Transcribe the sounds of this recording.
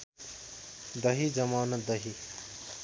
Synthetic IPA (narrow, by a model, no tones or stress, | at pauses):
d̪ʌɦid͡zʌmaːnɐd̪ʌɦi